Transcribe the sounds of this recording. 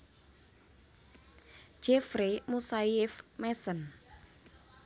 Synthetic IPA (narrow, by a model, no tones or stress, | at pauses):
ʒ̥efɾemusaɪfmɛsən